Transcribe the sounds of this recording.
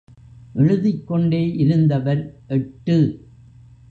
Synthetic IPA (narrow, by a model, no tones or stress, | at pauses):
ʔɛɻɯðɪkːɔɳɖeːʔɪɾɯnd̪ɐʋɐɾʔɛʈːɯ